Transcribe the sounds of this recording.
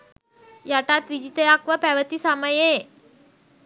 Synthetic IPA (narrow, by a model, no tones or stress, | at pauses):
jaʈ̪at̪ʋid͡ʑit̪əakʋəpaʋət̪iːsaməje